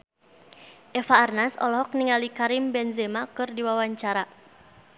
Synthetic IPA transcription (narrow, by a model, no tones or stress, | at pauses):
ʔɛfaːrnasɔ̰lɔɦɔk̚niŋalikaɾimbɛnzɛmakɨrdiwawaɲt͡ʃaɾa